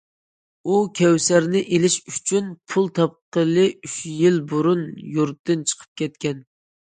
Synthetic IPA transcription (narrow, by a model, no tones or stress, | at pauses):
ukʲʰɛwsæɾnɪʔelɪʃy̥t͡ʃʰynpʰulˠt̪ʰɑp̚qəlˠɨyʃjilbuɾunjuɾt̪ːɨnt͡ʃʰə̥qʰə̥p̚kʲʰɛt̪̚kʲɛn